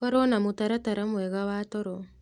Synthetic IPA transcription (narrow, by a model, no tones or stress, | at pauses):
aɾɔnamotaɾataɾamwɛɣawatɔɾɔ